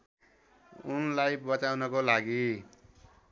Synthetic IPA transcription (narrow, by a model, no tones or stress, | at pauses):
unlajbʌtawnʌkolaɡi